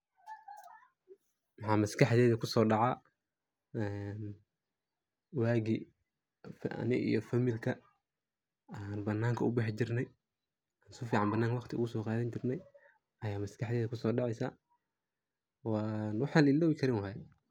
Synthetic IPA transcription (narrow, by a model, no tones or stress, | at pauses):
wɑħɑːmɐskɑħðɛːðɐkʰʊsɔːɖɑʕɑ | ɛn | waːɣi | fnɪʔḭjɔfɐmɪlkʰɐ | aːnbɐnːaːŋkʰɐʔʊbɑħt͡ʃɪrnɛj | aːnsʊfiːʕɑmbɐnːaːŋkwɑχt̪ʰɪʊ̰ɣʊsɔːqɑːðɐnt͡ʃɪrnɛj | ʔɐjaːmɐskɑħðɛːðɐkʰʊsɔːɖɑʕɛjsa | wɑːnwɑħɑːlɪlːɔːwɪkʰɐɾɪnwɐɦɛ